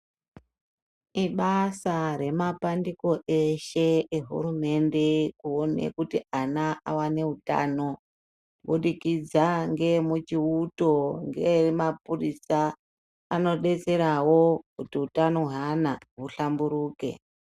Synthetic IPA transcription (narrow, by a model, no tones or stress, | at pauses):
iɓasaɾe̞mapandiko̞ʔeʃe̞eɦṵrume̞nde̞kuonḛkutianaʔawane̞uta̰ːno̞ | ɓuɗikid͡zaŋɡe̞mut͡ʃiuto̞ŋɡe̞mapurisaː | no̞ɗe̞t͡se̞ɾawo̞kutiutanoɦanaɦuɬambuɾuːke̞̰